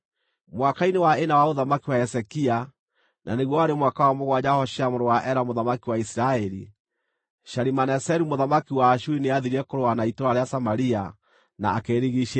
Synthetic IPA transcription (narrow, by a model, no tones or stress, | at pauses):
mwakainewaenawaoðamakiwaɛsɛkia | nʔa̰neɣwɔaɾemwakawamoɣwad͡ʒahɔʃeamoɾowaʔɛɾamoðamakiwaisiɾaɛɾi | ʃaɾimanɛsɛɾumoðamakiwaːʃuineaðiɾiɛkoɾoanaitoɾaɾeasamaɾia | na̰ːkeɾiɣiʃe